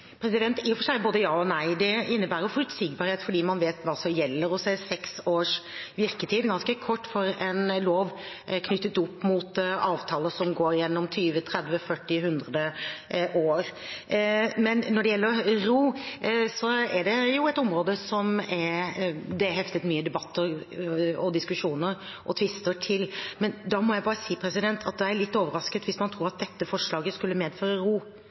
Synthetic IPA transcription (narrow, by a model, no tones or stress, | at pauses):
pʰɾɛsɪd̪ɛnt̪jfɔʂæɪboːd̪əjɑːɔnæɪd̪ɛɪnːəbæːɾəʊfʉlt̪siɡbɑːɾheːt̪fɔɖiːmɑnʋeːt̪ʋɑːsɔmjɛlːəɾɔsɛsɛksoːʂʋɪɾkət̪ʰiːd̪ɡɑnskəkʰɔʈːfɔɾɛnloːʋ | kʰnʏt̪ːət̪ʊpːmʊt̪ɑːʋt̪ʰɑːləsɔmɡoːɾjɛnːɔmt̪ʰyːʋət̪ʰɾɛd̪ʋəfœʈːɪɦʉnd̪ɾəd̪əʔoːɾ | mɛnːɔɖɛjɛlːəɾɾuːsɔɛɖɛjʊɛt̪ɔmɾoːd̪əsɔmɛɾd̪ɛɦɛft̪ət̪myːəd̪ɛbɑt̪ːəɾ | ɔd̪ɪskʉʂuːnəɾ | ʔɔ̰t̪ʰʋɪst̪əʈʰɪlmɛnd̪ɑmɔjæɪbɑːɾəsiːpʰɾɛsɪd̪ɛnt̪ʰɑt̪̚d̪ɛæɾɭɪt̪ːoːʋəɾɑskət̪ʋɪsmɑnt̪ʰɾuːɾɑt̪̚d̪ɛt̪ːəfɔʂlɑːɡəskʉlːəmeːd̪føːɾəɾuː